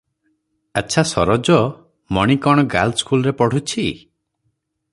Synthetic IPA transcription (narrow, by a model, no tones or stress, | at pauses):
at͡ʃʰasɔɾɔd͡ʒɔ | mɔɽ̃ikɔɽ̃ɔɡa̰lskulɔɾepɔɽ̤ut͡ʃʰi